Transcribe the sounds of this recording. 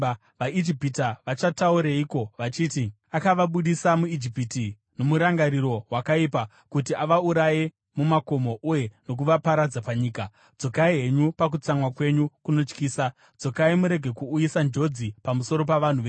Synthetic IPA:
ʋaid͡ʒipitaʋat͡ʃatauɾaiko̞ʋat͡ʃiːti | akaʋaɓuɗisamuid͡ʒipiti | no̞muɾaŋɡaɾiɾo̞ɦwakaipa | kutiʔaʋauɾaje | mumako̞moʔuje̞no̞k̬uʋapaɾad͡zapaɲiːka | d͡zo̞kaiɦe̞ɲupak̬ut͡samwakwe̞ɲukuno̞t͡ʃkiːsa | d͡zo̞kaimuɾe̞ɡʱe̞kuːjisand͡ʒo̞d͡zipamuso̞ɾo̞p̬aʋan̤uʋe

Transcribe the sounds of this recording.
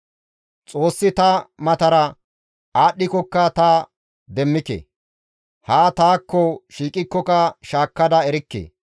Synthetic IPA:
t͡sʼo̞ːsːɪt̪ɐmɐt̪ɐɾɐ | aːɗːɪkɔkːɐt̪aː | d̪ɛmːɪkḛ | haːt̪aːkːɔʃiːkʼɪkːɔkɐʃaːkːɐd̪ɐɛɾɪkːḛː

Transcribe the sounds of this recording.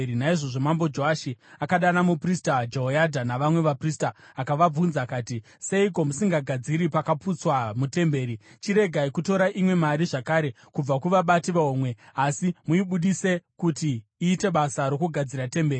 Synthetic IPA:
inaiʐo̞ʐo̞mambo̞d͡ʒoaʃiakaɗanamupristad͡ʒoɦojadʱanaʋamwe̞ʋapristaːkaʋab͡vunzakaːti | se̞ik̬o̞musiŋɡaɡʱad͡ziɾipakaput͡swamute̞mbe̞ːɾit͡ʃiɾe̞ɡʱaikuto̞ɾaʔimwe̞maɾiʐakaːɾe̞ | kub͡vakuʋaɓatiʋaoːmwe̞asimuiɓuɗise̞kutiːte̞ɓasaɾo̞kuɡʱad͡ziɾate̞mbe̞ːri

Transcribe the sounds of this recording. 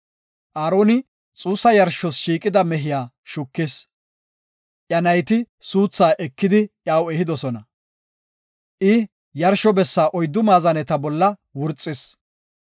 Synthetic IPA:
ʔaːɾoːnɪ | t͡sʼuːsːɐjɐɾʃɔsʃiːkʼɪd̪ɐmɛɦɪjaː | ʃʊkːɪs | ʔjɐnɐjt̪ɪ | suːt͡sːaːʔɛkːɪd̪ɪʔjaːwɛhɪd̪ɔsɔnɐ | ʔɪ | jɐɾʃɔbɛsːaːʔɔjd̪ːʊmaːzɐnɛt̪ɐbɔlːɐwʊɾt͡sʼːɪs

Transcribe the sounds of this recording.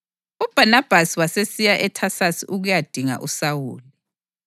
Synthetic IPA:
ub̥ʱanab̥ʱasiwasesijaʔɛtʰasasiʔuɣujad̥ʱiŋa̰ʔusawuːli

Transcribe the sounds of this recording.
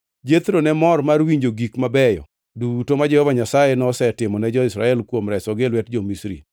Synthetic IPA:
d͡ʒet̪ɾonɛmɔrmarwiɲd͡ʒoɡikmabɛjɔ̰ | dutomad͡ʒɛhɔvaɲasajenɔsɛtɪmɔnɛd͡ʒɔɪsɾaɛlkwomɾɛsɔɡelwɛtd͡ʒɔmisɾḭ

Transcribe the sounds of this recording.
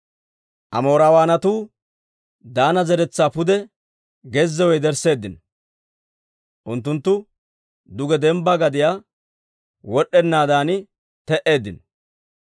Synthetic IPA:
ʔɐ̰moːɾawaːnɐt̪uː | d̪aːnɐzɛɾɛt͡sːaːpʊd̪ɛ | ɡɛzːɛwɔjd̪ɛɾse̞ːd̪ːɪn | ʔʊnt̪̬ːʊnt̪ːʊ | d̪ʊɡɛd̪ɛmbɐɡɐd̪ɪjaː | wɔɗːɛnːaːd̪aːnɪ | t̪ɛʔe̞ːd̪ːɪn

